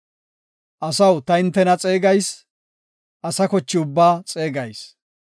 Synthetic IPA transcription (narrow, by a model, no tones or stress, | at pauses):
ʔɐsɐwt̪ɐɪnt̪ːɛnɐt͡sʼe̞ːɡɐjs | ʔɐsɐkɔt͡ʃːɪʊbːaːt͡sʼe̞ːɡɐjs